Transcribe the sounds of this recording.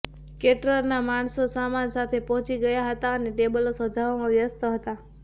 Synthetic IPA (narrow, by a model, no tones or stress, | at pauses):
keʈɾəɾnamaɳsosamansat̪ʰepɔɦɔ̃t͡ʃiɡəjaɦət̪aəneʈebəlosəd͡ʒʱaʋamãʋjəst̪əɦət̪a